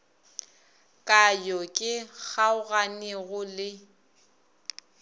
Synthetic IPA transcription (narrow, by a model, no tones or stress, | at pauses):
kʼajɔkʼɪɣaʊɣanɛɣʊlɪ